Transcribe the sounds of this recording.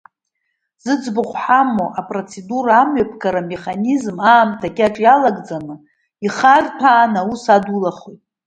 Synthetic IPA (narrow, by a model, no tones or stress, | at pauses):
z̥ɨd͡zbʊχʷħamoʔapʼro̞t͡sʰe̞duraːmɥapʰɡaɾame̞χanizmaːmtʰaɡʲʼaʈ͡ʂʼjalaɡd͡zanɨ | iχartʰaːnausadulaχojtʼ